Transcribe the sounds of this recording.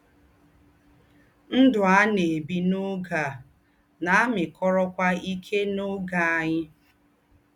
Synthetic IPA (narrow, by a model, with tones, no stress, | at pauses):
n̩˦dʊ˨a˦ne˨bi˦nʊ˦ɡa˨ | na˨a˦mɪ˨kɔ˦ɾɔ˦kʷa˦i˦kʰe˦no˦ɡa˨a˨ɲɪ˦